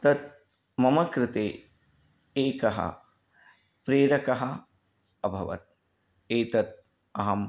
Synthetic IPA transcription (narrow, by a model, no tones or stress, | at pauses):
t̪ɐt̪̚ | mɐmɐkɾɪt̪eː | eːkɐɦɐ̰ | pɾeːɾɐkɐɦɐ | ɐbʱɐʋɐ̰t̪̚ | eːt̪ɐt̪̚ | ɐɦɐm